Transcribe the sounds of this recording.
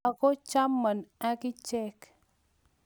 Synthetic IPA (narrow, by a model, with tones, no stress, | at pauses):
a˨kɔ˦t͡ʃa˦mːə˨na˦ki˦t͡ʃɛ˦k